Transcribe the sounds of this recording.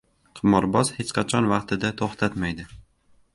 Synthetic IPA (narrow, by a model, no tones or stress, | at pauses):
qʰɨmɒɾbɒz̥het͡ʃqʰɑt͡ʃʰɒnvɑqt̪ʰɪd̪at̪ʰoχt̪ʰat̪majd̪ɪ